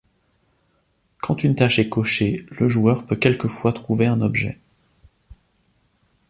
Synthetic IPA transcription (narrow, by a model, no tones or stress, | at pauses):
kʰɑ̃t̪ynt̪aʃɛkɔʃeləʒuœʁpøkʲɛlkəfwat̪χuveɛ̃nɔbʒɛ̰